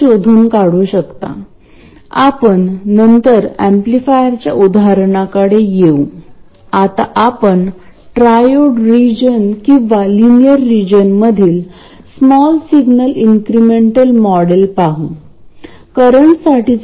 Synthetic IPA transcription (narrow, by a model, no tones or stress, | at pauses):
od̪ʱuːnkaɽũːɕəkt̪a̰ | a̰pəɳːənt̪əɾæmplifajəɾt͡ɕjaʔud̪ʱaɾɳakəɽejeũ | at̪a̰ʔapəɳ | ʈɾajoʈɾid͡ʑənkĩʋalinijəɾːid͡ʑənməd̪ʱiːl | smɔlsiɡnəliŋkɾimeɳʈəlmɔɽelpaɦũ | kəɾəɳʈsaʈit͡s